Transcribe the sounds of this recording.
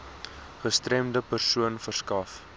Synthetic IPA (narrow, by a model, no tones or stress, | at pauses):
χəstrɛmdəpərsuənfərskɐf